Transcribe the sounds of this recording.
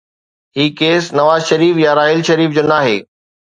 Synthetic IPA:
ɦiːkeːsnɐʋaːzʃɐɾiːfjaɾaːɦɪlʃɐɾiːfd͡ʑoːnaːɦḛː

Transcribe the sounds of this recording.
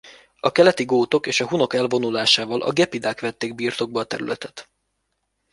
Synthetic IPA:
ɒkɛlɛt̪iɡoːt̪o̞keːʃɒɦuno̞kɛlvo̞nulaːʃaːvɒlʔɒ̰ɡɛpid̪aːkʋɛt̪ːeːɡ̚biːrt̪o̞ɡ̚bɒːt̪ɛɾylɛt̪ɛ̥t̪

